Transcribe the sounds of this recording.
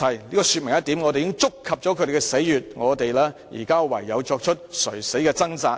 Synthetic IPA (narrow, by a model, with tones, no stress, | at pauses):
ɐ˨jliː˥kɔ˧sy˧t̚mɪ˨˩ŋjɐ˥t̪i˨˥mŋɔ˨˧ɾe˨jɪ˥ŋt͡sʊ˥kʰːɐ˨p̚t͡ʃɔː˨˥kʰɵ˨˧ɾe˨˩kɛ˧se˨˥jjyː˨t̚ŋɔː˨˧t̪e˨jlɛː˥jḭː˨˩kaː˥wɐ̰˨˩jːɐ˨˧wt͡ʃɔː˧k̚t͡ʃʰɵ˥t̚sɵ̰˨˩ɥse˨˥jkɛː˧t͡sɐ˥ŋt͡saː˧t̚